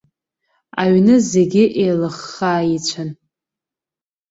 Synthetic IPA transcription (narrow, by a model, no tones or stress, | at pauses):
a̰ɥnɨze̞ɡʲɪʔejlɨχːaːit͡ɕʷʰan